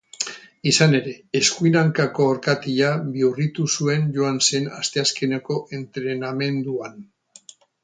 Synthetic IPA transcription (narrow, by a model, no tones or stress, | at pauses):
isane̞ɾe̞ːskuinaŋkako̞ːɾkat̪iʎaβiurit̪usue̞nʝo̞anse̞nast̪e̞aske̞neko̞ʔe̞nt̪ɾe̞name̞nd̪uan